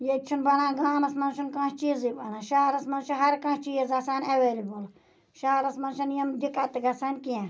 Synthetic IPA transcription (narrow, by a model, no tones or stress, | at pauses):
jet͡ʃʰunbɐnãːɡaːmɐsmɐnʃunkãːʃt͡ʃiːzibanãːʃaːɾɐsmɐnʃɐɦɐɾkãʃt͡ʃiːzɐsaːnʲɐʋeːlibul | ʃaːɾɐsmɐnʃɐnjɐmd̪ikat̪ɨɡɐsaːnʲkiã